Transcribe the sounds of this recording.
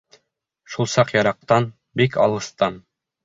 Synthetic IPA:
ʃulˠsɑqjɑɾɑq̚t̪ɑn | bikʰɑ̰lˠɤ̆st̪ɑn

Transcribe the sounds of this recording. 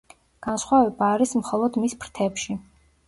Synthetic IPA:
ɡ̥ansχwavɛbaːɾismχɔlˠɔd̪mispʰɾt̪ʰɛpʃi

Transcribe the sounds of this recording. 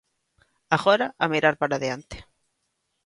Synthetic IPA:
aɣɔɾaʔamiɾaɾpaɾaðeant̪e̥

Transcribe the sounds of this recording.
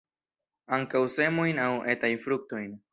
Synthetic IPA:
aŋkawse̞mojnawe̞tajnfɾuk̚to̞jn

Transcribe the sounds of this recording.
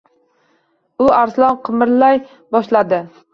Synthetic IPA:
ʊaɾslˠɒnqʰɨmɪɾlaj | bɒʃlad̪ɪ

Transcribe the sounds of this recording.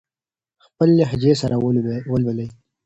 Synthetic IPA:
xpəleɦɪd͡ʒesaɾʔawwəlbələj

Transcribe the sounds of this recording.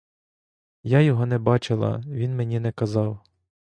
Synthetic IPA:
jajɔɦɔnɛbɑt͡ʃɪlˠɐ̰ʋʲinmenʲinɛkɐzɑw

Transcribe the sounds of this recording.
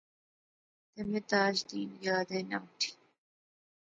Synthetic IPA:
d̪̥əmɪt̪ɑːd͡ʒd̪iːnjɑːd̪ena̰wʈʰi̥

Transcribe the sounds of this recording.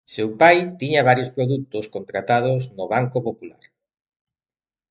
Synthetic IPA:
sewpajt̪iɲɐβ̞aɾjospɾoðut̪ʊskont̪ɾat̪að̞ʊznoβ̞aŋkopopula̰ɾ

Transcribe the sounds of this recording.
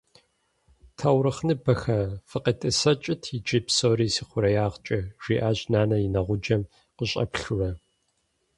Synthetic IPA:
tʰɐwɾɨχnɨbɐxɐfɨqitʼɨsɐt͡ʃʼɪtʰid͡ʒipsoːɾiːsiːqʷʊɾɐjaːʁt͡ʃʼɐʒ̥ʷḭːʔaːʑnaːnɐjɪnɐʁʷʊd͡ʒɐm | qəɕʼɐ̰pɬurɐ

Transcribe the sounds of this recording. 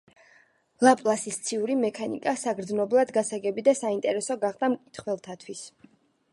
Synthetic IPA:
lˠapʼlˠasist̪sʰiuɾimɛkʰanḭkʼasaɡɾd̪znɔblˠad̪ɡasaɡɛbid̪asaint̪ʼɛɾɛsɔɡaχd̪amkʼit̪ʰχwɛlˠt̪ʰat̪ʰwis

